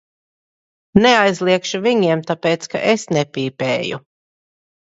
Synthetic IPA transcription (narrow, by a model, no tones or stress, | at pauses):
neajzlˠiɛkʃuviɲiɛmt̪apeːt̪ska̰ʔesnɛpʲiːpɛːjṵ